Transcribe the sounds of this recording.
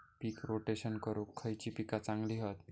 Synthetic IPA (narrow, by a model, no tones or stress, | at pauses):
piːkɾoʈeɕənkəɾokʰːəjt͡ɕiːpikat͡sãŋɡliɦət̪